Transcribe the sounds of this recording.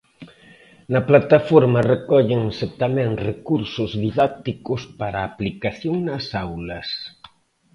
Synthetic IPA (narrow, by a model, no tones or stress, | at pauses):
nɐplat̪afɔɾmɐrekɔʎɪŋset̪amẽnrekuɾsʊzðiðak̚t̪ikʊspaɾaːplikaθjoŋnɐsawlɐs